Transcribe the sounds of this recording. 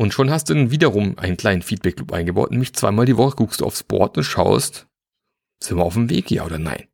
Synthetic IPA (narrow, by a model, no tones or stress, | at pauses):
ʔʊntʃoːnhastd̥uːdɛnviːdɐʁʊmʔa̰ɪnənkʰl̥aɪnənfiːt̚b̥ɛk̚kʰlʊpʔa̰ɪnɡəbaʊtnɛːmlɪçt͡sv̥a̰ɪmaːldivɔχəɡuːkstd̥uːa̰ʊsb̥ɔ̰ɐtʊntʃaʊst | z̥ɪmaaʊfm̩vḛːkja̰ːʔoːdɐna̰ɪn